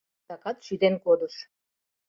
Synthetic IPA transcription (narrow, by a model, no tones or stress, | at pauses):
ɑkɑt̪ʃyd̪enkod̪uʃ